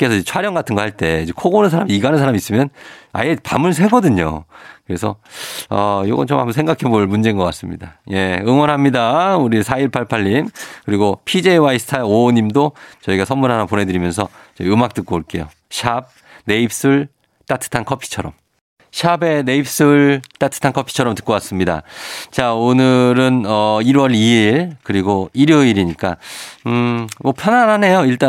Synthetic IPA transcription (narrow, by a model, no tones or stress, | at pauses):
k͈e̞sʰʌid͡ʑet͡ɕʰwaɾjʌŋɡatʰɯnɡʌhaɭt͈e̞id͡ʑekʰoɡonɯns̬ʰaɾamiiɡanɯnsʰaɾamis͈ɯmjʌna̰jepamɯɭsʰe̞ɡʌdɯɲo̰kɯɾe̞sʰʌʌjoɡʌnt͡ɕoma̰bus̬ʰe̞ŋɡakʰe̞boɭmund͡ʑenɡʌk͈as͈ɯmɲḭda̰je̞ɯŋwʌnɦamɲidauɾisʰaiɭpʰaɭpʰaʎːimkɯɾiɡopʰid͡ʑeiwaisʰɯ̥tʰaeoɲimdot͡ɕʌiɡasʰʌnmunɦanapone̞dɯɾimjʌns̬ʰʌt͡ɕʌɯmak̚t͈ɯk͈oːɭk͈e̞jo̰ | ɕʰab̚ | ne̞ip̚s͈ɯɭ | t͈atʰɯ̥tʰankʰʌpʰi̥t͡ɕʰʌɾʌm | ɕʰabe̞ne̞ip̚s͈ɯɭt͈atʰɯ̥tʰankʰʌpʰi̥t͡ɕʰʌɾʌmtɯ̥k͈ʌwas͈ɯmɲida̰t͡ɕaonɯɾɯnʌiɾwʌɾiiɭkɯɾiɡoiɾjoiɾiɲik͈a | mʌpʰjʌnaɾɦane̞joiɭt͈a